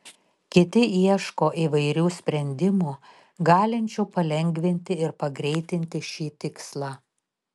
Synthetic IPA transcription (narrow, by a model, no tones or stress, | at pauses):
kʲɪt̪ʲɪiɛʃkoːʔiːʋɐɪɾʲuːsʲpʲɾʲɛnʲd̪ʲɪmuː | ɡɑːlʲɪnʲt͡ʃʲuːpɐlʲɛŋʲɡʲʋʲɪnʲt̪ʲɪɪɾpɐɡɾʲɛɪt̪ʲɪnʲt̪ʲɪʃʲiːt̪ʲɪkslˠɑː